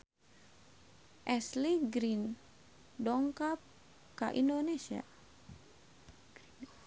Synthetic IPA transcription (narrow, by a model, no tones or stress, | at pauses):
ʔɛsliɡɾin | dɔŋkap̚ | kaʔindonesia̰